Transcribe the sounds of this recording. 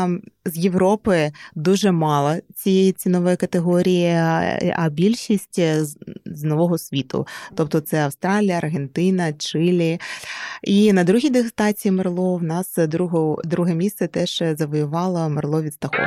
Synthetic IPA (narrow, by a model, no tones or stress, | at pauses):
zjeʋɾɔpɪd̪uʒɛmɑlˠɐt͡sʲijeit͡sʲinɔʋɛjkɐt̪eɦɔɾʲijḭʔɐ̰bʲilʲʃisʲtʲ | znɔʋɔɦɔsʲʋʲit̪ʊ̰t̪ɔp̚t̪ɔt̪sɛɐwst̪ɾɑlʲijɐɐrɦent̪ɪnɐt͡ʃɪlʲi | inɐd̪ɾuɦʲijd̪ɪɦst̪ɑt͡sʲijimɐrlˠɔwnɑsd̪ɾuɦɔd̪ɾuɦɛmʲist̪sɛt̪ɛʒ̥zɐʋɔjʊʋɑlˠɐmɐrlˠɔʋʲid̪st̪ɐxɔ̰